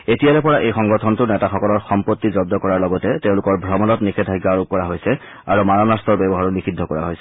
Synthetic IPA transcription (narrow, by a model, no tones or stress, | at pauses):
etijalɛpɔɹaʔejxɔŋɡɔtʰɔntʊnɛtaxɔkɔlɔɹxɔmpot̪ːizɔb̚dɔkɔɹaɹlɔɡɔtɛtɛ̃ʊ̃lʊkɔɹbʱɹɔmɔnɔtnixʰedʰʱajɡaɹup̚kːɔɹaɦojsɛ | aɹumanɔnastɔɹbɛbɔɦaɹɔnixidʱːɔkɔɹa̰ɦojsɛ̥